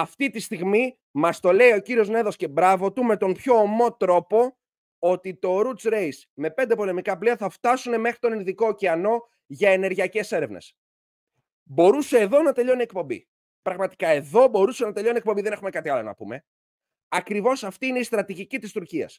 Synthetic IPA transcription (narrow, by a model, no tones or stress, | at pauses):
ɐft̪it̪ist̪iɣmi | mɐst̪o̞le̞io̞ciɾio̞zne̞ðosce̞bɾɐvo̞t̪ume̞t̪o̞mpço̞ːmo̞t̪ɾo̞po̞ | ot̪it̪o̞ɾut͡sɾe̞js | me̞pe̞nd̪e̞po̞le̞mikɐpliɐθɐft̪ɐsune̞me̞xɾit̪o̞ninðiko̞ciɐno̞ | ʝɐe̞ne̞ɾʝiɐce̞se̞ɾe̞vne̞̰s | bo̞ɾuse̞ːðo̞nɐt̪e̞ʎo̞nie̞k̚po̞mbḭ | pɾɐɣmɐt̪i̥kɐe̞ðo̞bo̞ɾuse̞nɐt̪e̞ʎo̞niekpombiðe̞ne̞xume̞kɐt̪iɐlo̞̰nɐ̰pume̞ | ɐkɾivo̞sɐft̪iineist̪ɾɐt̪iʝicit̪ist̪uɾciɐ̰s